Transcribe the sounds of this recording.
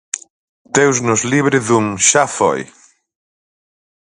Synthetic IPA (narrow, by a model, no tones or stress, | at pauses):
d̪̥ewznʊzliβɾɪðuŋʃafɔ̰j